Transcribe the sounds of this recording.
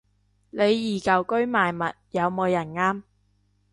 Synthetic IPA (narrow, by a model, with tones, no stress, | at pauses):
le˨˧jːiː˨˩kɐ˨wkɵ˥ɥmaː˨jmɐ˨t̚jɐ˨˧wmo˨˧wjɐ˨˩nŋaː˥m